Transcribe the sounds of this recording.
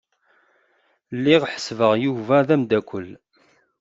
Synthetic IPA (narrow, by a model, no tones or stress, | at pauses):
lːiʁħə̥svəʁjuvæðæmd̪ækʷːəlː